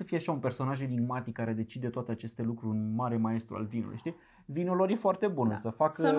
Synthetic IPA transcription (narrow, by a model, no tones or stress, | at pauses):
səfijeaʃaunpe̞rso̞naʒeniɡmat̪ikːaɾe̞d̪e̞t͡ʃid̪e̞t̪oat̪eat͡ʃe̞st̪e̞lukɾuɨnmaɾemae̞st̪ɾṵa̰lvinṵlṵjʃt̪i | vinoloɾjefoart̪e̞bunəsəfakə